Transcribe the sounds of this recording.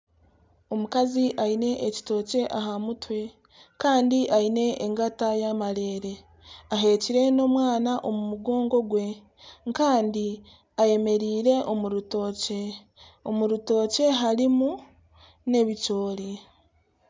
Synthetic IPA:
o̞mukaziʔaine̞ʔːci̥to̞ːce̞ʔaɦamutwe̞ | kaːndiʔaine̞ʔːŋɡatajamaɾe̞ːɾe̞ | aɦe̞ːciɾe̞no̞mwaːnaʔo̞mumuɡo̞ːŋɡo̞ɡwe̞ | ŋkaːndi | aje̞me̞ɾiːɾe̞ʔo̞muɾuto̞ːce̞ | omuɾuto̞ːce̞ɦaɾimu | ne̞βico̞ːɾi

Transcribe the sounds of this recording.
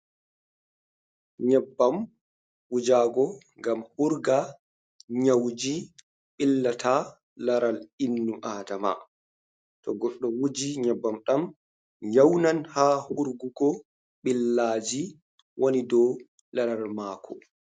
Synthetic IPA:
ɲɛbːam | ʔud͡ʒaːɡɔŋɡamhuɾɡa | ɲawd͡ʒi | ɓilːatʰa | laɾalinːuʔaːdama̰ | tɔɡɔɗːɔwud͡ʒiɲɛbːamɗam | jawnanhaːhuɾɡuɡɔ | ɓilːaːd͡ʒi | wʔonidɔ | laɾalmaːkʰɔ

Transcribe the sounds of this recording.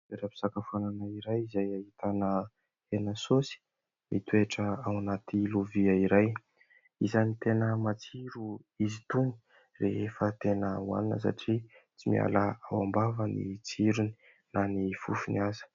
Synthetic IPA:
eɾapi̥sakafananaiɾajizajahit̪anə | enəsosi̥ | mit̪ueʈ͡ʂəawanat̪ʰiluviaiɾaj | izanit̪enəmat͡siɾuizit̪uni̥ | reefət̪enəua̰ninə̰sa̰ʈ͡ʂit͡simia̰laawambavənḭt͡siɾuni̥ | nanifufuniazə̥

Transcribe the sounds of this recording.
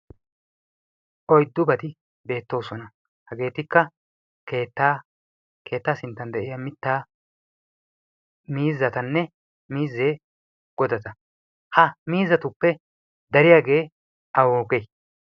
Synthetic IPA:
ʔɔjd̪ːʊbɐt̪ɪ | be̞ːt̪ːo̞ːsɔnɐ | hɐɡe̞ːt̪ɪkːɐ | keːt̪ːa | kʰe̞ːt̪ːaːsɪnt̪ːɐnd̪ɛʔɪjamɪt̪ːaː | miːzːɐt̪ɐnːɛ | miːzːe̞ː | ɡ̥ɔd̪ɐt̪ɐ | hɐmiːzːɐt̪ʊpːɛ | d̪ɐɾɪjaːɡe̞ː | ʔɐwoːkej

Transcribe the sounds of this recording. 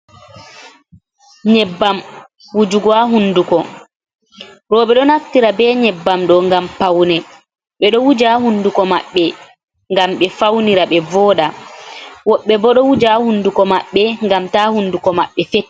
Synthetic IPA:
ɲɛbːam | wud͡ʒuɡwaɦundukɔ | ɾɔɓɛɗɔnaftiɾabɛɲɛbːamɗɔŋɡampawnɛ | ɓɛɗɔwud͡ʒahundukɔmaɓːɛ | ŋɡamɓɛfawniɾaɓɛvɔːɗa | wɔɓːɛbɔɗɔwud͡ʒahundukɔmaɓːɛŋɡamtahundukɔmaɓːɛfet

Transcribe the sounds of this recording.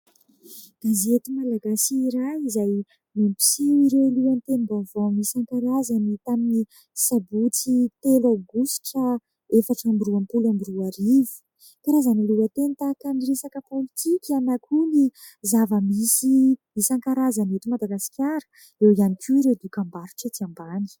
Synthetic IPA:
ɡ̥azet̪imalaɡasiːɾajizaj | mimpi̥siɾeluant̪enibavonisaŋkaɾazanit̪amini | sabut͡sit̪elaɡusi̥ʈ͡ʂa | efaʈ͡ʂambiɾuampulambiɾuaɾivu̥ | kaɾazaniluat̪ent̪akaɳiɾesakəpolit̪ʰikʲanakʰuni | zavəmisimisaŋkaɾazanet̪imad̪aɡasi̥kʲaɾə̥ | ewianikʰʲuɾed̪ukambaɾu̥ʈ͡ʂat̪iambani̥

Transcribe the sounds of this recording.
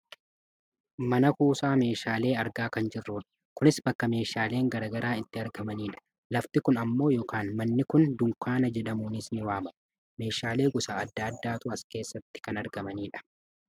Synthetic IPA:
mɐnɐkuːsaːme̞ːʃaːle̞ːɐɾɡaːkɐnd͡ʒɪrːuːᶑɐ̥ | kʊnɪsbɐkːɐme̞ːʃaːle̞ːŋɡɐɾɐɡɐɾaːɪnt̪ːɪɐɾɡɐmɐniːᶑɐ̥ | lɐft̪ɪkʊnɐmːo̞ːjɔːkaːnmɐnːɪkʊnd̪ʊŋkaːnɐd͡ʒɛᶑɐmuːnɪsnɪwaːmɐ | me̞ːʃaːle̞ːɡʊsaːɐd̪ːaːɐd̪ːaːt̪ʊɐske̞ːsːɐt̪ːɪ̥kɐnɐɾɡɐmɐniːᶑɐ̥

